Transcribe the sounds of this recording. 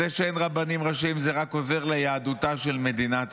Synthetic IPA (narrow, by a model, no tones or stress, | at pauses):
eʃeenʁabanimʁaʃimzeʁako̞ze̞ʁlejaːd̪utaʃe̞lme̞d̪inat